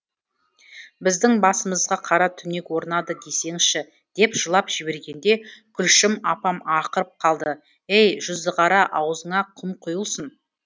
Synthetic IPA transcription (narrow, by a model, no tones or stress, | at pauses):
bɪzd̪ɪŋbɑsəməzʁɑqʰɑɾɑt̪ʰʏne̞kwo̞ɾənɑd̪əd̪e̞se̞ŋʃɪ | d̪̥e̞pʒ̥əlˠɑpʒ̥ɪbe̞ɾɡʲe̞nd̪e̞kʲʰʏlʃɪmɑpɑmɑqəɾəp̚qʰɑlˠd̪ə | ejʒʊzd̪əʁɑɾɑʔɑwəzəɴɑqʰʊmqʰʊjəlˠsən